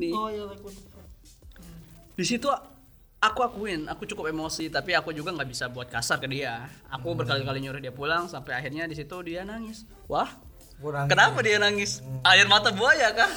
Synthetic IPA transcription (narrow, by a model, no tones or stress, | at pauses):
ni | disit̪u | akuakuɪnakut͡ʃukʊpemosit̪apiakud͡ʒuɡaŋɡaʔbisabuat̪̚kasarkədiaa̰kubərkalikaliɲuɾʊhdiapulaŋsampajaɦirɲadisit̪udianaŋɪs | wah | kənapadianaŋɪsaɪrmat̪abuajakah